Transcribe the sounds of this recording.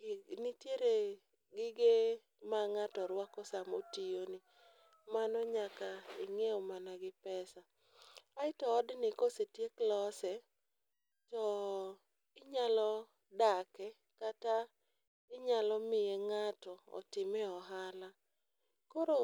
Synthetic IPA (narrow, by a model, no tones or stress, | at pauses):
nitjeɾe | ɡɪɡe | maŋatɔɾwakɔsamo̰tijonɪ | manɔɲakaɪŋeɔmanaɡɪpɛsa | aɪtɔːdnɪkosetjeklɔsɛ | tɔ | ɪɲalɔ | dakɛ | kata | ɪɲalɔmɪjeŋatɔɔ̰tɪmɛɔɦala | kɔɾo